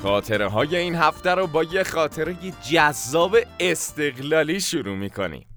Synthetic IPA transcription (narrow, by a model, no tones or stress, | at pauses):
xɒːt̪ʰe̞ɾeɦɒːje̞iːnɦæft̪æɾobɒːjexɒːt̪ʰe̞ɾejed͡ʒæzːɒːbe̞est̪e̞ɣlɒːliːʃuɾuːmiːkʰo̞̰nḭm